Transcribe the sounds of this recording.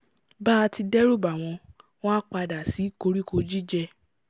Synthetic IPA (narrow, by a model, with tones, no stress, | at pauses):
baː˦˧ti˧dɛ˦ɾu˦˨ba˨w̃ɔ̃˧w̃ɔ̃˦a˦k͡pa˧da˨si˨˦ko˧ɾi˦ko˧˦d͡ʒi˦d͡ʒɛ˧